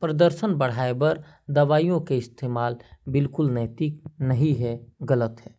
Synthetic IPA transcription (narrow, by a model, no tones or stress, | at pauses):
pɾəd̪əɾʃənbɐɽ̤aːebɐɾ | d̪ɐʋaːijõkeɪst̪ʰeːmaːlbɪlkʊlnɛːt̪ɪknɐɦĩɦɛɡələt̪ɦɛː